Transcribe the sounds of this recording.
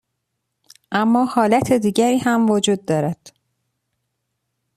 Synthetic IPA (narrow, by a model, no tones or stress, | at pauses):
ʔæmːɒːhɒːlæt̪ʰed̪iːɟæɾiːhæmvod͡ʒuːd̪̚ːɒːɾæd̪̥